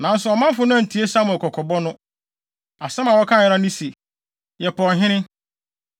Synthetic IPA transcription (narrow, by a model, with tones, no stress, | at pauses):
nã˨˦n̩˦sʊ˨ɔ˨mã˦m˦fʊ˨˦nʊ̃˦ã˨n̩˨tʰi˨˦e˦sa˦m˨ɛ˨kʰɔ˨kʰɔ˨bɔ˦nʊ̃˦ | a˨sɛ̃˦ma˨wɔ˦kʰã˦˨jɛ˨ɾã˦nĩ˦se˨ | jɛ˨pʰɔ˨ɦɪ̃˦ñɪ̃˦